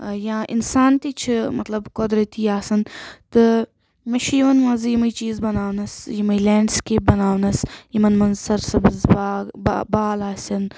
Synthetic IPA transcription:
jãːʔɪ̰nsaːnt̪iːt͡ʃʰimɐt̪lɐbkod̪ɾɐt̪iːaːsɐnt̪ɨ | mɐʃʰjimɐnʋãːzjimɐit͡ʃiːzbɐnaːʋnɐsjimɐileːɳɖskeːp̚bɐnaːʋnɐsjimɐnmɐnzsɐɾsɐbz | baːlaːsʲɐn

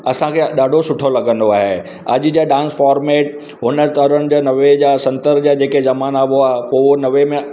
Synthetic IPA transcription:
ɐsãkʰeɗaːɖʱosʊʈʰolɐɡə̃nd̪oaːɦe | ɐʄd͡ʑaɖãːnsfaːɾmeːʈ | ɦʊnət̪əɾənɪ̆d͡ʑaːnɐʋed͡ʑaːsɐ̃nt̪əɾd͡ʑad͡ʑeːkezɐmaːnaːʋoaːɦepoːonɐʋemẽ

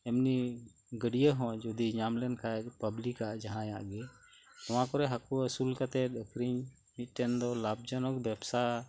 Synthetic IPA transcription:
ɛmni | ɡəɽijəɦɔ̃d͡ʒɔd̪iɲamlɛnkʰaɛpəblikaʔd͡ʒaɦãjaʔɡɛ | t̪ɔwãkɔɾɛɦakuəsulkat̪ɛɗəkɾiɲ | mit̪̚ʈɛnd̪ɔlab̚d͡ʒanɔkbɛbsa

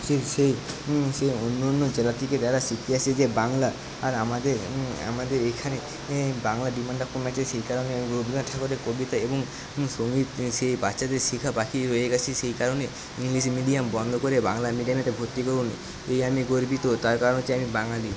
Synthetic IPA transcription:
ʃesejseonːonːod͡ʒelat̪ʰiked͡ʒaɾasik̪ʰiased͡ʒebaŋlaː | ɾamad̪eɾa̰mad̪eɾekʰane | baŋlaɖimaɳɖakːumat͡ʃʰeʃejkaɾoneamiɡobʱiɡaʈʰakoɾekobit̪aeboŋ | soŋɡit̪sejbatːʃad̪eɾʃikʰabakʰiɾojeɡat͡ɕʰisejkaɾone | iŋlismiɖijambɔnd̪ʱokoɾeba̰ŋlamiɖaneʈebʱot̪ːikoɾunḭ | ejamiɡoɾbit̪ot̪aɾkaɾonot͡ʃeamibaŋlali

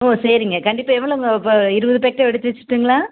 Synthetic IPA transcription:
oːsɐɾɪŋɡɐkɐɳɖɪpːaːɛʋːɐɭɐʊŋɡɐpːoɪɾɯbɐðɯp̬ek̚ʈːɐɛɽɯt̪ːɯʋɐt͡ʃːɪ̥ʈːɯŋɡɐɭaː

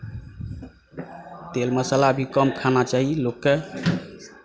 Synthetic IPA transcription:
t̪elməsəlabʱikəmkʰanat͡ʃaɦilokːe

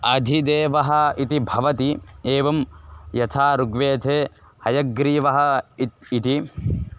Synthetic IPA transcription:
ɐd̪ʱid̪eːʋɐɦɐ̆it̪ibʱɐʋɐt̪ieːʋɐmjɐt̪ʰaːɾuɡʋeːtʰeː | hɐjɐɡɾiːʋɐɦɐ̆ː | t̪i

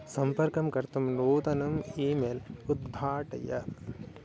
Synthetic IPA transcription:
sɐmpɐɾkɐmkɐɾt̪ɐmnoːt̪ɐnɐmiːmeːlud̪bʱaːʈɐ̰jɐ

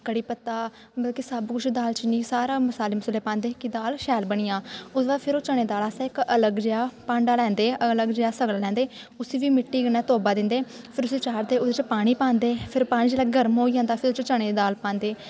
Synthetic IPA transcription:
kəɽiːpət̪ːaː | bəlkesəbkʊt͡ʃʰd̪aːlt͡ʃnĩːsaːɾaːməsaːleːməsəlːeːpãːnd̪eːkɪd̪aːlʃɛːlbəɽiːjãːʊsbaːpʰɪɾoːt͡ʃəɳeːd̪aːlaːsaːɪkələɡd͡ʒeːaːpãːɳɖaːlɛ̃ːnd̪eːələɡd͡ʒeːaːsəɡlaːlɛ̃ːnd̪eː | ʊsiːʋiːmɪʈːiːɡənaːt̪oːbaːd̪ɪ̃nd̪eː | pʰɪɾʊseːt͡ʃaːɾd̪eːʊd̪et͡ʃpaːɽ̃iːpãːnd̪eːpʰɪɾpaːɽ̃iːd͡ʒeːlaːɡəɾmɦoːiːd͡ʒãːnd̪aːpʰɪɾʊt͡ʃt͡ʃəɽ̃eːd̪aːlpãːnd̪eː

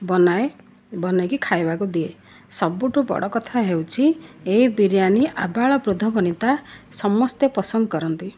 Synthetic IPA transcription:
bɔnae | bɔnajkikʰajbakud̪ie | sɔbuʈubɔ̰ɽɔkɔt̪ʰaɦewt͡ʃʰieibiɾjaniʔabaɭɔbɾud̪ʱːɔbɔnit̪asɔmɔst̪jepɔsɔnd̪ɔkɔɾɔnt̪i

